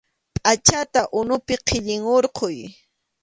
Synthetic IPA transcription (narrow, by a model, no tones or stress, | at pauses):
pʼat͡ʃat̪aʔʊnʊpɪqʰɪʎɪŋoɾqoj